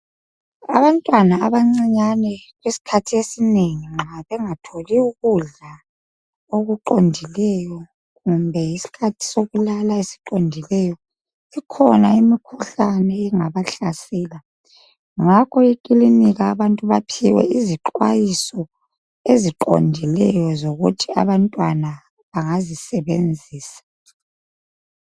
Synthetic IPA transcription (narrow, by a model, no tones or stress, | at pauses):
a̰βantʼwanaːβaŋ͡ǀiɲanɛɣwisi̥kʰatʰiesineŋiŋ͡ǁaβɛŋatʰoliuɣuɮa | oɣuǃondʱilɛjɔ | ɣumbʱɛjisi̥kʰatʰi̥soɣulalaesi̥ǃondʱilɛjɔ | ikʰɔnaimikʰuɬanɛɛŋaβaɬasɛːla | ŋakʰɔikʼiliniɣaːβantʼuβa̰pʰiwɛ̰iziǃwajisɔ | eziǃo̰ndʱilɛjɔzoɣutʰia̰βantʼwana | βaŋazisɛβend͡zʱiːsḁ